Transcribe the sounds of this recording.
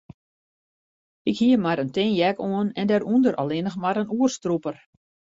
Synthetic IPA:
ɪkhiəmaɾəntɪnjɛkoənɛndɛɾundəɾʔa̰lɪnəxmaɾənuərstrupər

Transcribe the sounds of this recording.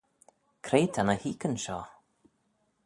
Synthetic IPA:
kʰɾeːt̪ʰanəhiːkənʃɔː

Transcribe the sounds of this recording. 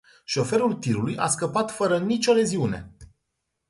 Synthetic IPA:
ʃo̞fe̞ɾult̪iɾulujʔaskəpat̪fəɾənit͡ʃʲo̞le̞ziune̞̰

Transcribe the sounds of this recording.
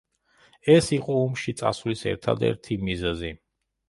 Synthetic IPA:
ɛsiqʼɔɔmʃit̪sʼa̰svlisɛ̰ɾt̪ʰa̰d̪ɛ̰ɾt̪ʰimizɛzi

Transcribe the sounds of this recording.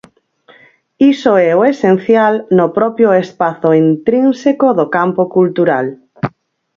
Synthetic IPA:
isoɛoesen̟θjalnopɾɔpjoespaθoint̪ɾinsekoðokampokult̪uɾal

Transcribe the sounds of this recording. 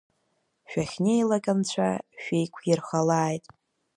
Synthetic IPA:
ʃᶣaχʲnejlakʼant͡ɕʷʰa̰ʃᶣejkʷʰjɪrχalaːjtʼ

